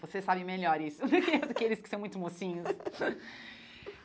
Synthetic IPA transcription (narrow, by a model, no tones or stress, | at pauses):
vosesabɪmeʎɔɾisʊkd̪ʊkɪelɪskɪsɐ̃w̃mũj̃t̪ʊmosĩɲʊs